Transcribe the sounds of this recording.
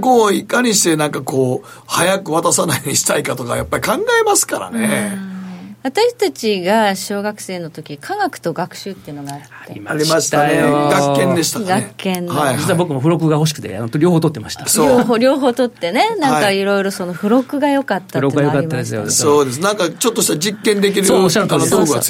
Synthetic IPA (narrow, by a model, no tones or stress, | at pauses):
koikːaɲ̟iɕi̥t̪e̞nãŋkako̞ː | hajakɯ̟βat̪asanajoɲiɕi̥t̪aikat̪o̞kajapːaɾʲikãŋɡaemasɨ̥kaɾa̰ne | βat̪aɕi̥t̪at͡ɕiɡaɕo̞ːɡakɯ̟̥se̞ːno̞t̪o̞kʲikʰaɡakɯ̟̥t̪o̞ɡakɯ̟̥ɕɨːt̪ːe̞iɯ̟no̞ɡaːt̪ːaːeɾʲḭmaɾʲiaɕi̥t̪ajoɡakːẽd̪eɕi̥t̪aɡakːẽnajd͡ʑitt͡sɨɯβabokɯmoɸɯ̟ɾo̞kɯ̟ɡaho̞ɕ̬i̥kɯ̟̥t̪e̞̰nt̪ɾʲo̞ːhoːt̪ot̪ːe̞maɕi̥t̪asooɦoɾʲo̞ːɦo̞ːt̪o̞t̪ːe̞ne̞nãŋkaiɾo̞iɾo̞so̞no̞ɸɯ̟ɾo̞kɯ̟ɡajo̞kat̪ːaɯɾok̪ːɡajo̞katiːad̪e̞sɨjo̰soːd̪e̞s̬ɨnãŋkat͡ɕot̪ːo̞ɕi̥t̪ad͡ʑikːẽ̞nd̪e̞k̬ʲiɾɯooɕaɾt̪and̪oɡa̰s